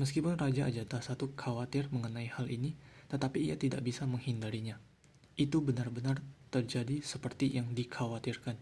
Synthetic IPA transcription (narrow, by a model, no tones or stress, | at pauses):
məskipʊnrad͡ʒaʔːd͡ʒat̪asat̪ukʰawat̪ɪrməŋənaihalḭnit̪ət̪apiːa̰t̪ida̰ʔbisaməŋhindaɾiɲa | ʔit̪ubənarbənart̪ərd͡ʒadisəpərt̪ijaŋdikʰawat̪irkan